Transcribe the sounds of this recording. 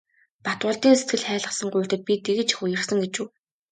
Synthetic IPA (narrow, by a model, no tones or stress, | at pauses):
pat̪wʊːɮt̪iːŋset̪ɡɘ̆ɮχæːɮə̆sə̆ŋɢʊjʰt̪ɘ̆t̪̚pʲit̪eɣɘ̆t͡ɕxujɘ̆rsə̆ŋɡet͡ɕuː